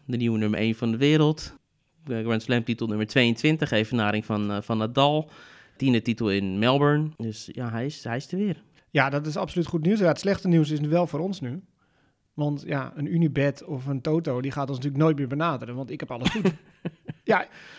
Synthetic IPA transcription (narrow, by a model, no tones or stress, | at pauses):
dəniwənøməʔeːnfɔndəʋɪːɾəlˠt | ɡrɛnslɛmtitəl̩ˠnøməɹtʰʋeːəntʰʋɪntəxeːfənaːɾɪŋfnfɔnadɔlˠ | tindətitəl̩ˠɪnmɛlˠbəɹndøsjaɦɛjɪshɛjɪstəʋɪːr | jadɔt̬ɪsapsolytχutniːsjaətslɛxtəniwsɪs̬nyʋɛlˠfoːɾɔnsny | ʋɔntjaənynibɛtʰɔfəntoːtowdixaːtɔnsnətyːləknoːjt̚mɪːbənaːdərənʋɔntɪkhɛpɑlˠəsxut | ja